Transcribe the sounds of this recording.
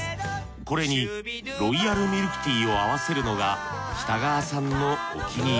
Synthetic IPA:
ko̞ɾe̞ɲ̟i | ɾo̞iaɾɯ̟mʲiɾɯ̟kɯ̟̥t̪ʲiːo̞aβase̞ɾɯ̟no̞ɡaɕi̥t̪aɡaːsãnːo̞̰ːkʲiɲʲi

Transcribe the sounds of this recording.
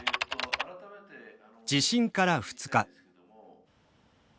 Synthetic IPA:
d͡ʑiɕĩŋkaɾaɸɯ̟̥t͡sɨ̥ka

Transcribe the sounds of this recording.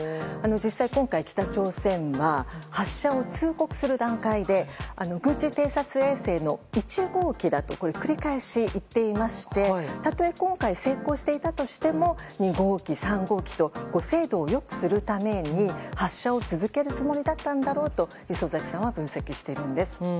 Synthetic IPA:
ano̞d͡ʑisːaikõ̞ŋkaikʲi̥t̪at͡ɕo̞ːsẽ̞ɰ̃βahaɕːao̞t͡ɕɨːko̞kɯ̟̥sɨɾɯ̟d̪ãŋkaid̪e̞ano̞ɡɯ̟̃t͡ɕit̪e̞ːsat͡sɨe̞ːse̞ːno̞it͡ɕiɡo̞ːkʲid̪at̪o̞̰ko̞ɾe̞kɯ̟ɾʲikaeɕiʔit̪ːe̞imaɕi̥t̪e̞t̪at̪o̞e̞kõ̞ŋkaise̞ːko̞ːɕi̥t̪e̞it̪at̪o̞ɕi̥t̪e̞mo̞ɲ̟iɡo̞ːkʲisãŋɡo̞ːkʲi̥t̪o̞ɡ̥o̞se̞ːd̪o̞ːjo̞kɯ̟̥sɨɾɯ̟t̪ame̞ɲ̟ihaɕːao̞t͡sɨzɨke̞ɾɯ̟t͡sɨmo̞ɾʲid̪at̪ːãnd̪aɾo̞ːt̪o̞ | çiso̞zakʲi̥sãɰ̃βabɯ̟̃ɰ̃se̞kʲiɕi̥t̪e̞iɾɯ̟̃nd̪e̞sɨ̥

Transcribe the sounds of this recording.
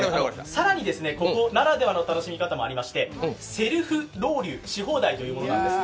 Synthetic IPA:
anosaɾaɲ̟id̪e̞sɨne̞ko̞kko̞naɾad̪e̞βano̞t̪ano̞ɕimʲikat̪amo̞aɾʲimaɕi̥t̪e̞se̞ɾɯ̟ɸɯ̟ɾo̞ːɾʲɯːɕiɦo̞ːd̪ait̪o̞jɯ̟ːmo̞noãnd̪esɨ̥

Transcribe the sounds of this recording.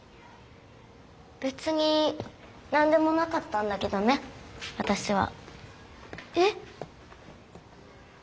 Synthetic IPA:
b̥e̞t͡sɨɲ̟i | nãnd̪e̞mo̞nakat̪ːãnd̪ake̞d̪o̞ne̞βat̪aɕiβ̞a̰ | e

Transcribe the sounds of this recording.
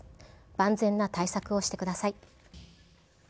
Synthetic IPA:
b̥ãnd͡zẽ̞nːat̪aisakɯ̟o̞ɕi̥t̪e̞kɯ̟d̪asai

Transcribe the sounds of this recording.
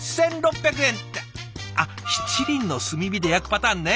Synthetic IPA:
sẽ̞nɾo̞pːʲjak̬ɯ̟ẽ̞nt̪e | a | çi̥t͡ɕiɾʲĩnːo̞sɨmʲibʲid̪e̞jakɯ̟̥pat̪aːnːe

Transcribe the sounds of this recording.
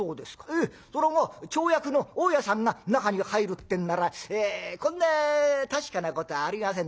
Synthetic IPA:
oːd̪e̞sɨ̥kḁe | soɾemot͡ɕo̞ːjakɯ̟no̞oːjasãŋɡanakaɲ̟ihaiɾɯt̪ːẽ̞nːaɾaeːkõ̞nːat̪aɕi̥kanako̞t̪o̞βaːɾʲimasẽ̞n

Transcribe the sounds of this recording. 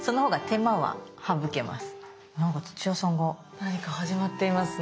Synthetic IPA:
so̞noɦo̞ːɡat̪e̞maβa̰habɯ̟ke̞ma̰sɨ̥ | nãŋkat͡so̥t͡ɕiasãŋɡa | naɲ̟ikahaʑimat̪ːe̞imasɨ

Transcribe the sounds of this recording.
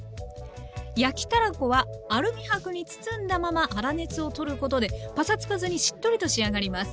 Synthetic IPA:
jakʲi̥t̪aɾako̞βaːɾɯ̟mʲihakɯ̟ɲ̟it͡sɨ̥t͡sɨ̃nd̪amamaʔaɾane̞t͡sɨo̞t̪o̞ɾɯ̟ko̞t̪o̞d̪e̞pasat͡sɨ̥kazɨɲ̟iɕi̥t̪ːo̞ɾʲit̪o̞ɕiaɡaɾʲimasɨ̥

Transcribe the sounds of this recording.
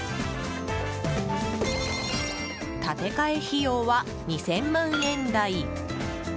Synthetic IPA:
t̪at̪e̞kae̞çijoːβa | ɲ̟isẽ̞mːãɰ̃ẽ̞nd̪ai

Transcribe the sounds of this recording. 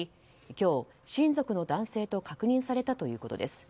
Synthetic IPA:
kʲo̞ː | ɕĩnd͡zo̞kɯ̟no̞d̪ãɰ̃se̞ːt̪o̞kakɯ̟ɲ̟ĩɰ̃saɾe̞t̪at̪o̞jɯ̟ːko̞t̪o̞̰d̪esɨ̥

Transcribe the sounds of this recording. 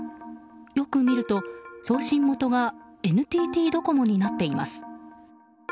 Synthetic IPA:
jo̞kɯ̟mʲiɾɯ̟t̪o̞so̞ːɕĩmːo̞t̪o̞ɡae̞nɯ̟t̪ʲiːt̪ʲiːd̪o̞ko̞mo̞ɲ̟inat̪ːe̞ima̰sɨ̥

